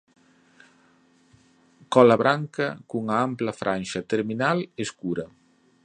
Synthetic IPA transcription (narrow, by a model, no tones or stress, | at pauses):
kɔlaβɾaŋkəkuŋampləfɾʔanʲʃɐt̪eɾminaleskuɾɐ